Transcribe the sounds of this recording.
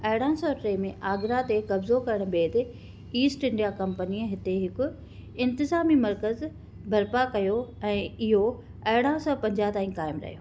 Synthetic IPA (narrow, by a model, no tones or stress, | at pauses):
ɐɪɽ̤ãːsɔːʈɾeːmẽʔaːɡɪɾat̪ekɐbzokɐɾəɽ̃̆beːd̪ɪ | iːsʈɪ̃ɳɖijakɐmpəniɦɪt̪eɦɪkʊ | ɪ̃nt̪ɪzaːmimɐɾkəz | bʱɐɾpakɐjoɛ̃ːɪɦo | ɐɦɪɽ̤ãsɔːpɐ̃ɲd͡ʑaːt̪aːĩkaːɪmɾɐ̰ɦijo̰ː